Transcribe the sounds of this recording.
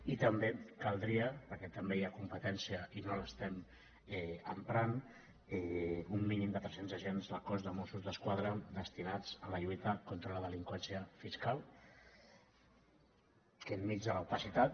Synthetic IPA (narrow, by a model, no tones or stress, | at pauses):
it̪əmbekalˠd̪ɾiəpəɾkɛt̪əmbejakumpət̪ɛnsiəʔinoləst̪ɛm | ɛəmpɾan | ɛumːinimd̪ət̪ɾɛsenzəʒenzləkɔzðəmɔsuzðəskwað̞ɾəd̪əst̪inad͡zələʎujt̪əkont̪ɾələðəliŋkwɛnsiəfiskalˠ | kəmmid͡zðələupəsit̪at̪̚